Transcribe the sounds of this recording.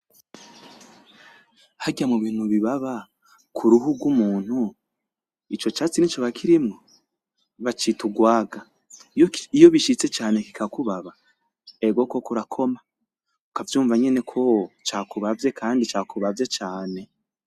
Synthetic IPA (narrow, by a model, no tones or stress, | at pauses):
haɟamuβiːn̥huβiβaβa | kʰuɾuɦuɡumuːn̥hu | it͡ʃo̞t͡ʃaːt͡sinit͡ʃoβakʰiɾimŋo | βat͡ʃituɡwaːɡa | ijo̞βiʃit͡se̞t͡ʃaːne̞ki̥kakuβaβa | e̞ɡo̞ko̞kuɾakʰo̞ma | ukavjuːɱvaɲe̞ne̞kʰo̞t͡ʃaːkuβavje̞kʰaːndit͡ʃaːkʰuβavje̞t͡ʃaːne̞